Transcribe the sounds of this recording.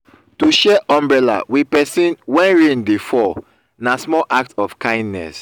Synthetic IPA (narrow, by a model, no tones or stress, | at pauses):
tuʃɛʔɔ̃mbɹɛla̰wipɛsĩnwɛ̃nɹẽndifɔ | nasmɔlʔak̚tɔfkãɪ̃ndnɛ̰s